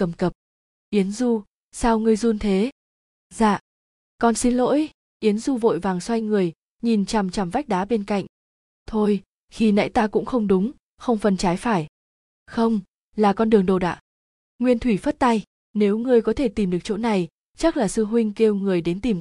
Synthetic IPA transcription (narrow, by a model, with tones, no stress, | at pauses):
kə˨˩mkə˨˩p̚ | ʔi˨˦ənzu˧ | saː˧wŋɨ˧əjzu˧nt̪ʰe˨˦ | za̰ː˧˨ | kɔ˨˩nsi˧˦nlo̰˧˥j | ʔi˨˦ənzu˧vo̰˧˨jvaː˨˩ŋswa˧jŋɨ˨˩əj | ɲi˨˩nt͡ɕa˨˩mt͡ɕa˨˩mva˦˥k̚ɗaː˨˦ɓe˧nka̰˧˨jŋ̟ | t̪ʰo˧j | xi˧na̰ː˧˥jt̪aː˧kʊ̰˧˥ŋ͡mxə˧wŋ͡mɗʊ˨˦ŋ͡m | xə˧wŋ͡mfə˨˩nt͡ɕaː˨˦jfaː˧˩j | xə˧wŋ͡m | laː˨˩kɔ˧nɗɨ˨˩əŋɗo˨˩ɗa̰ː˧˨ | ŋwi˧ənt̪ʰwi˧˩fə˦˥t̚t̪a˧j | ne˨˦wŋɨ˧əjkɔ˨˦t̪ʰe˧˩t̪i˨˩mɗɨ˨˩ək̚t͡ɕo̰˧˥na˨˩j | t͡ɕa˦˥k̚laː˨˩sɨ˧ɦwï˧ŋ̟ke˧wŋɨ˨˩əjɗe˨˦nt̪i˨˩m